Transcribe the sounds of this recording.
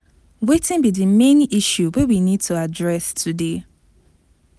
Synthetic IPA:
wetɪ̃nbidimẽniʃjuwewinid̚tʰuadɹɛstʰude

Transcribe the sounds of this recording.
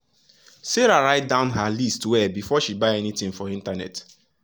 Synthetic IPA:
seɹaɹaɪt̚dãʊ̃nɦalistwɛbifɔʃibaɪɛnitĩŋfɔĩntanɛ̰t

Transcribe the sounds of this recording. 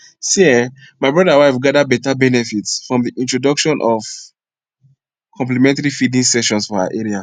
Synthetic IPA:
siɛ | maɪbɹɔdawaɪfɡadabɛtabɛnɛfitsfɹɔ̃mðiʔĩntɹɔdʌkʃɔ̃nʔɔv̥ | kʰɔ̃mplimɛ̃ntaɹifidĩŋsɛʃɔ̃nsfɔaa̰ʔɛɹia

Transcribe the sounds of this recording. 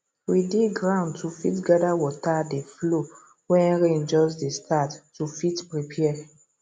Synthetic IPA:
widiɡɹãʊ̃ntufḭtɡadawɔtadeflo | wɛ̃nɹẽnd͡ʒɔsdestʰatːufitpɹipʰɛɛ

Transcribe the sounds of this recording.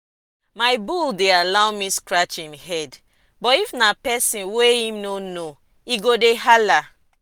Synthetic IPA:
maɪbuldealaʊmiskɹat͡ʃĩmɦɛd | bɔtifnapɛsĩnweĩmnono | iɡodeɦala

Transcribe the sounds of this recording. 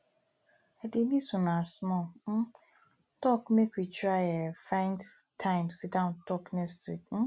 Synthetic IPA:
ɛdemĩsũnãsmɔm̩ | tɔkmekwit͡ʃajɛfãɪ̃ndtʰãɪ̃msɪdãʊ̃ntʰɔknestɾitm̩

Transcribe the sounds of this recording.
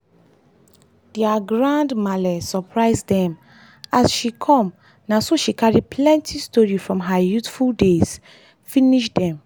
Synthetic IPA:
d̥iaɡɹãndmadəsɔpʰɹaɪzdɛ̃m | asʃikʰɔ̃m | nasoʃikaɹipʰlɛ̃ntʰistɔɹifɹɔ̃mɦajutfuldez̥ | fĩniʃdɛ̃m

